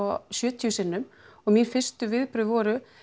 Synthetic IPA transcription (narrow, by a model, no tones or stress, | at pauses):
ɔsjʏːt̪ʰjusɪnːʏmɔɣminfɪ̥st̪ʏvɪðpɾʏðvɔːɾʏ